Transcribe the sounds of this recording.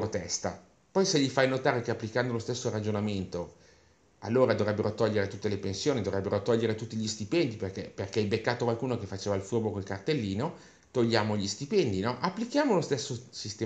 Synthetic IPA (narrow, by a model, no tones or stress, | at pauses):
ɾot̪ɛst̪a̰ | pɔjseʎːifajnot̪aːɾekeapːlikand̪olost̪esːoɾad͡ʒonament̪o | a̰lːoːɾad̪ovɾɛbːeɾot̪ɔʎːeɾet̪ut̪ːelepensjoːnid̪ovɾɛbːeɾot̪ɔʎːeɾet̪ut̪ːiʎist̪ipɛnd̪iperkeperkeilbekːaːt̪okwalkuːnokefat͡ʃeːvalfurbokolkart̪elːiːno | t̪oʎːaːmoʎist̪ipɛnd̪inɔʔapːlik̟jaːmolost̪esːosist̪ɛː